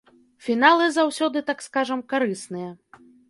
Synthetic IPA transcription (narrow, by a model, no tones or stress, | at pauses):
fʲinalˠɨzawsʲɔd̪ɨt̪akskaʐɐmkaɾɨsnɨjɐ